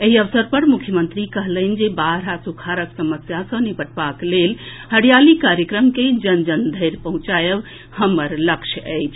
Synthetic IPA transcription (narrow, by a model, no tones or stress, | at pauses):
eɦiəʋsəɾpəɾmukʰjəmənt̪ɾikəɦlən̆d͡ʒebaɾasukʰaɾəksəməsjasə̃nibəʈbaklel | həɽijalikaɾjəkɾəmked͡ʒənd͡ʒənd̪ʱəjɾpəɦũt͡ʃajəb | həməɾləkt͡ʃʰəjt͡ʃʰ